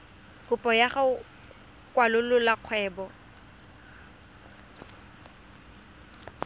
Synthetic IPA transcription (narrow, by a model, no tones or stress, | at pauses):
kʊpʼɔjaχa | kʼwalʊlʊlaq͡χʰwɛːbɔ